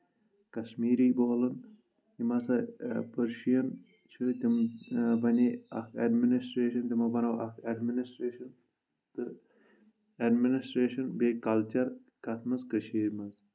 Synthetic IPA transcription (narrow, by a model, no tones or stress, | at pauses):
kɐʃmiːɾiːboːlɐn | imɐsɐpəɾʃijɐn | t͡ʃʰɨt̪ʲimbɐnʲiɐ̰kʰɐɖminisʈɾeːʃɐnt̪ʲimɐbɐnɐʋʔɐkʰɐɖminisʈɾeːʃɐn | t̪ɨ | ɐɖminisʈɾeːʃɐnbeːkɐlt͡ʃɐɾ | kɐt̪ʰmɐzkəʃiːɾʲmɐz